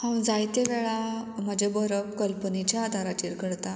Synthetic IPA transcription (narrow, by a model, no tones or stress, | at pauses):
hãwd͡zajt̪eʋɛɭaməd͡ʑebəɾəbkəlpənet͡ɕjaːd̪ʱaɾat͡ɕiɾkəɽt̪a